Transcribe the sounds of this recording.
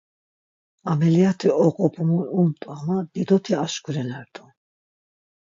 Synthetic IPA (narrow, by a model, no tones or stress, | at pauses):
amɛliat̪ʰiɔqʼɔpʰʼumunumt̪ʼamad̪̥id̪ɔt̪ʰiaʃkʰuɾɛnaɾd̪ʰʼu